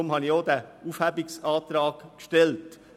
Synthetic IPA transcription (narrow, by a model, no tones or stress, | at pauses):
ʊmhɑnjoːd̪æufhæbɪksɑːt̪ɾɑːɡkʃtɛlt